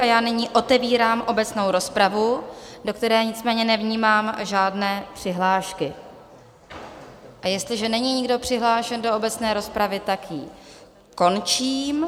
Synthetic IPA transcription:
ajaːnɪɲiːʔo̞t̪ɛviːɾaːmʔo̞bɛt͡sno̞wɾo̞spɾavudo̞kt̪ɛɾɛːɲɪt͡smɛːɲɛnɛvɲiːmaːmʒaːdnɛːpr̝̥ɪɦlaːʃkɪ | ʔajɛst̪lɪʒɛnɛɲiːɲɪɡdo̞pr̝̥ɪɦlaːʃɛndo̞obɛt͡snɛːɾo̞spɾavɪt̪akji | ko̞nt͡ʃiːm

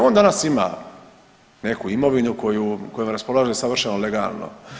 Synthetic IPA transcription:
oːnd̪anasima̰ | ne̞kuimo̞ʋinuko̞juko̞jomɾaspo̞laːʒeesaʋr̩ʃenole̞ɡa̰ːlˠno̰

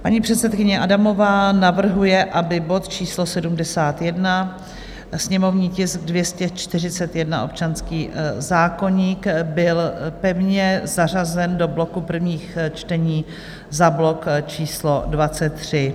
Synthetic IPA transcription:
pa̰ɲiːpr̝̥ɛt̪sɛt̪̚kɪɲɛʔadamo̞vaːnavr̩ɦujɛʔabɪbo̞t̪t͡ʃiːslo̞sɛdumdɛsaːt̪jɛdna | sɲɛmo̞vɲiːcɪsk̚dvjɛscɛt͡ʃt̪ɪr̝ɪt͡sɛt̪jɛdnao̞p̚t͡ʃanskiːzaːko̞ɲiːkbɪlpɛvɲɛzarazɛndo̞blo̞kupr̩vɲiːxt͡ʃt̪ɛɲiː | zablo̞kt͡ʃiːslo̞dvat͡sɛt̪ːr̝̥ɪ

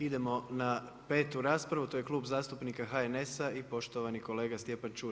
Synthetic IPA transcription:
id̪e̞mo̞na | pe̞ːt̪uɾaːspɾaʋut̪ojekluːbzaːst̪upnikaɦaene̞saipo̞ʃt̪o̞ʋaniko̞le̞ːɡast̪ʲje̞pant͡ʃuː

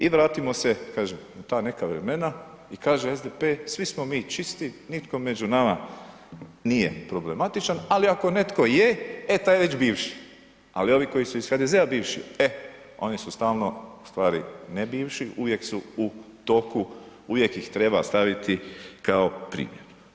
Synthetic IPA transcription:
iʋɾaːt̪imo̞se̞kaːʒemat̪aːne̞kaʋɾe̞me̞na | ikaːʒeezd̪epeːsʋismo̞miːt͡ʃist̪init̪ko̞med͡ʒunama | nije̞̰pɾo̞ble̞mat̪it͡ʃanaliako̞ne̞t̪ko̞jeet̪aːjʋet͡ɕbiːʋʃi̥ | a̰lio̞ʋiko̞jisuisxaːd̪ezeabiːʋʃḭe | o̞̰nisust̪aːlno̞ust̪ʋaːɾinebiːʋʃiʔuʋjeksuut̪o̞kuuʋje̞kjixt̪ɾe̞ba̰st̪aʋit̪ikaopɾḭːmjḛɾ

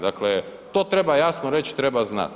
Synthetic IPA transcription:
d̪aklet̪oːt̪ɾebajasnoɾet͡ʃi̥t̪ɾebazna̰t̪

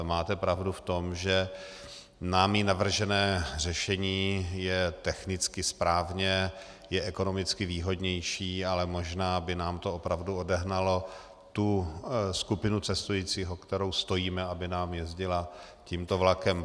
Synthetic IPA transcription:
maːt̪ɛpɾavduft̪o̞mʒɛ | naːmiːnavr̩ʒɛnɛːr̝ɛʃɛɲiːjɛt̪ɛxnɪt͡skɪspɾaːvɲɛ | jɛʔɛko̞no̞mɪt͡skɪviːɦo̞dɲɛjʃiːalɛmo̞ʒnaːbɪnaːmt̪o̞opɾavduodɛɦnalo̞ | t̪uskupɪnut͡sɛst̪ujiːt͡siːɦokt̪ɛɾo̞wst̪o̞jiːmɛabɪnaːmjɛzɟɪlaciːmt̪ovlakɛm

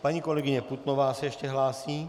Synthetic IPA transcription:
paɲikolɛɡiɲɛput̪noʋaːsɛɛʃcɛɦlaːsiː

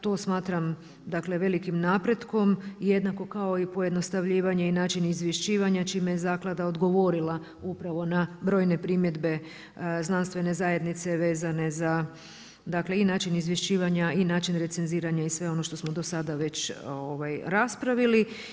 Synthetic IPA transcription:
t̪o̞smaːt̪ɾam | d̪akle̞ʋe̞likimnaːpɾe̞d̪ko̞mje̞d̪nako̞kao̞ipojed̪no̞st̪aʋʎiːʋaɲe̞inaːt͡ʃinizʋjeʃt͡ʃiːʋaɲat͡ʃiːmejezaːklˠad̪ao̞d̪ɡo̞ʋo̞ɾila | upɾaʋo̞nabɾo̞ːjne̞pɾimje̞d̪be̞ | znanst̪ʋe̞ne̞zaje̞d̪nit̪se̞ʋe̞ːzane̞za | d̪akle̞inaːt͡ʃinizʋjeʃt͡ɕiːʋaɲainaːt͡ʃinɾe̞t̪se̞nziːɾaɲaisʋe̞o̞no̞ʃt̪o̞smo̞d̪o̞sad̪aʋe̞t͡ɕoʋajɾaspɾaʋili

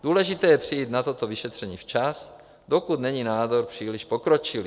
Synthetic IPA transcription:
d̪uːlɛʒɪt̪ɛːjɛpr̥ijiːt̪nat̪ot̪oviʃɛt̪r̝̥ɛɲiːft͡ʃas | d̪o̞kut̪nɛɲinaːd̪oɾpr̝̥iːliʃpokɾot͡ʃɪli

